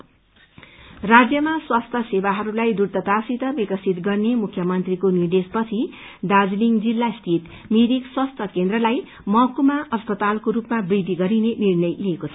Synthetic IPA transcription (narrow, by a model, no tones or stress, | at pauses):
rad͡zjʌmaswast̪ʰʌsebaɦʌɾulajd̪urt̪ʌt̪asit̪ʌbikʌsit̪ɡʌrnemukʰːjʌmʌnt̪rikonird̪espʌt͡sʰi | d̪ad͡zliŋd͡zilːast̪ʰit̪ | miɾikswast̪ʰʌkend̪rʌlaj | mʌkumaʔʌspʌt̪alkoɾupmabrid̪ʱːiɡʌɾinenirnʌjliekot͡sʰʌ